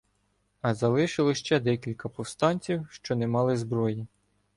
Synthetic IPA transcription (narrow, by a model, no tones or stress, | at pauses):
ɐzɐlˠɪʃɪlˠɔʃt͡ʃɛd̪ɛkʲilʲkɐpɔwst̪ɑnʲt͡sʲiwʃt͡ʃɔnemɑlˠɪzbɾɔji